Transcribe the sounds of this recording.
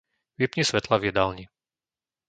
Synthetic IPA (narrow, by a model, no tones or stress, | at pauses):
ʋipɲisʋɛt̪lavjɛd̪alɲi